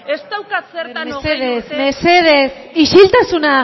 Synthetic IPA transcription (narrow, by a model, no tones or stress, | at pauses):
est̪awkasɾmeseðesmeseðesiʃilt̪asuna